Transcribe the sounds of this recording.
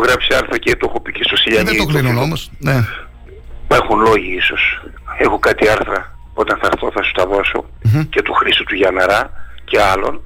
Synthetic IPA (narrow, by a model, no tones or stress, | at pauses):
oɣɾɐpsiɐɾθɾɐcet̪oxopicest̪o̞siʎɐɲiok̪onunomosne | ipɐɾxunlo̞ʝiiso̞s | e̞xo̞kɐt̪iɐɾθɾɐ | o̞t̪ɐnθɐɾθo̞θɐsu̥t̪ɐðo̞so̞̰ | cet̪uxɾisut̪uʝɐnɐɾɐce̞ɐlo̞̰n